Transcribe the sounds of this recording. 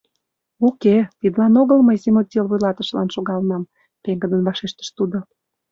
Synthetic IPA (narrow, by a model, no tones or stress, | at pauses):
uket̪id̪əlɑnoɣəlməjzemot̪̚ʲelβujlɑt̪əʃlɑ̰nʃoɣɑlnɑm | p̪eŋɡəd̪ənβɑʃeʃt̪ə̥ʃt̪ud̪o